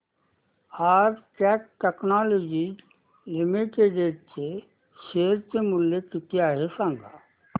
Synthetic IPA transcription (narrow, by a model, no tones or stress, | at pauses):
aːɾkɛːk̚ʈeknaːloːd͡ʒi | lɪmiʈeɖeːɾt͡ʃe | ʃeːɾt͡ʃemʊljekit̪jaːɦesãːŋɡa